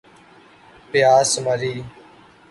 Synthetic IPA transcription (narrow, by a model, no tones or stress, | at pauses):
pɪjaːsməɾiː